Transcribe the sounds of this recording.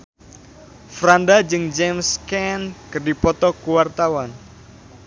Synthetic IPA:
fɾandad͡ʒɨŋd͡ʒɛmskɛnkərdipɔt̪ɔkuwart̪awan

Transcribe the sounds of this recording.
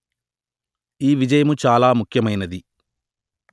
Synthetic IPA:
iːʋid͡ʒɐjɐmut͡ʃaːlaːmukʰjɐmɐjnɐd̪i

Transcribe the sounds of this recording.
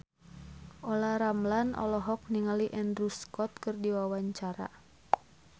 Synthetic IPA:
ʔɔlaɾamlanʔɔ̰lɔɦɔk̚niŋaliʔɛndruskɔt̪̚kɨrdiwawaɲt͡ʃaɾa̰

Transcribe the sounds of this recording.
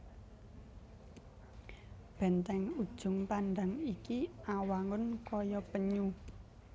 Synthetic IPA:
b̥ɛ̤nt̪ɛŋud̥ʒ̥ʊ̤ŋpanɖa̤ŋikiawaŋʊnkɔjɔpəɲu

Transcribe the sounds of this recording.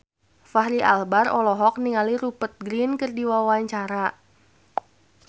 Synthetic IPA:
faɦɾiʔalbarɔlɔɦɔk̚niŋaliɾupət̪̚ɡɾinkərdiwawaɲt͡ʃaɾa

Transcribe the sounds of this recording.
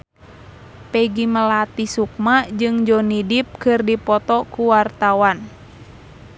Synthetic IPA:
peɡiməlat̪isuk̚mad͡ʒɨŋd͡ʒɔnidip̚kɨrdipɔt̪ɔkuwart̪awan

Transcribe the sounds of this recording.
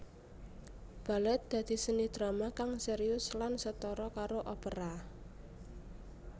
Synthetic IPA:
b̥a̤lɛt̪̚d̪̥ä̤d̪̥i̤sənid̪̥ɾamakaŋseɾiʊslansət̪ɔɾɔkaɾoʔɔpəɾa

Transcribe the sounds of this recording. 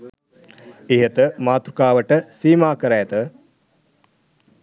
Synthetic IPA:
eɦət̪əmaːt̪ɾukaːʋəʈəsiːmaːkəɾajet̪ə

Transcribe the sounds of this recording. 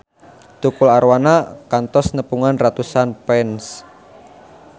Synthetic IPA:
t̪ukulaɾwanakant̪ɔsnəpuŋanrat̪usanpɛns

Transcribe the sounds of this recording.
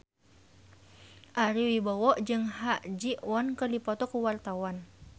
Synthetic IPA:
ʔaɾiwibawɔʔd͡ʒɨŋɦaʔd͡ʒiʔwɔnkərdipɔt̪ɔkuwart̪awan

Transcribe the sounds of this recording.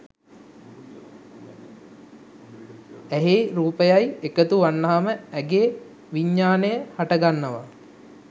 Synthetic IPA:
æɦeɾuːpəjajekət̪uʋanːaɦaməɛɡeː | ʋiɲːaːnəjəhaʈəɡanːəʋa

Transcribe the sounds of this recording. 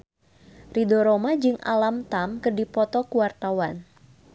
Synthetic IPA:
ridoɾomad͡ʒɨŋʔa̰lamt̪amkərdipɔt̪ɔkuwart̪awan

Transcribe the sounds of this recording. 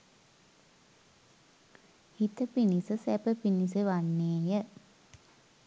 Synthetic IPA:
hit̪əpinisəsæpəpinisəʋanːeːjə

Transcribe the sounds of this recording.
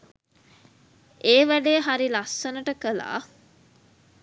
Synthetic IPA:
eːʋæɖeːɦaɾilasːənəʈəkəla̰ː

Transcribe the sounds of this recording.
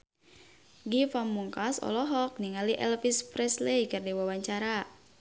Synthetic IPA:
ɡifamːuŋkasɔ̰lɔɦɔk̚niŋaliʔɛlfispɾɛslejkərdiwawaɲt͡ʃaɾa

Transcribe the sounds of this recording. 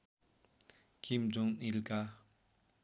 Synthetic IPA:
kimd͡ʒɔŋnilka

